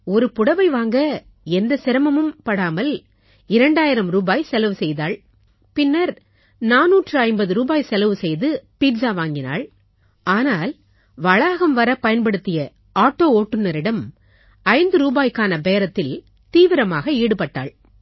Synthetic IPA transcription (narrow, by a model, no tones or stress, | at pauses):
ɔɾɯpʊɽɐʋɐɪʋaːŋɡɐ | ɛnd̪ɐsɪɾɐmɐmɯmpɐɽaːmɐl | ɪɾɐɳɖaːjɪɾɐmɾuːbaːjsɛlɐʋɯsɛjðaːɭ | pɪnːɐɾ | naːnːuːʈrɯɐɪmbɐðɯɾuːbaːjsɛlɐʋɯsɛjðɯpiːɖd͡ʒaːʋaːŋɡɪna̰ːɭ | aːnaːl | ʋɐɭaːɣɐmʋɐɾɐpɐjɐnpɐɽɯt̪ːɪjɐ | aːʈːoːoːʈːɯnːɐɾɪɽɐm | ɐɪnd̪ɯɾuːbaːjkaːnɐbeːɾɐt̪ːɪl | t̪iːʋɪɾɐmaːɣɐiːɽɯpɐʈːa̰ːɭ